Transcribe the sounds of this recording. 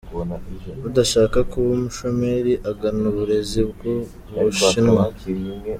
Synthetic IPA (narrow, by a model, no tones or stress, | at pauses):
βudaʃaːkakuβumuʃome̞ɾiʔaɡanuβuɾe̞zibɡu | βuʃinwa